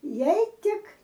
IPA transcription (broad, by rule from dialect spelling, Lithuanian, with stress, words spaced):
ˈjɛɪ ˈtʲɪk